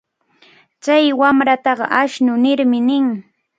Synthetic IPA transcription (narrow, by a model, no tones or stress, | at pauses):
t͡ʃajwamɾat̪ɑɢɑ̰ʔaʃnʊnɪɾmɪnɪŋ